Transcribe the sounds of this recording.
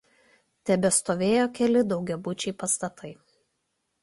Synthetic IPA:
t̪ʲɛbʲɛst̪oːʋʲeːjoːkʲɛlʲɪd̪ɒʊɡʲɛbʊt͡ʃʲɛɪpɐst̪ɐt̪ɐɪ

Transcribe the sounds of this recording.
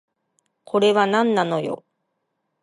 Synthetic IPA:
kʰo̞ɾe̞βanãnːano̞jo̞̰

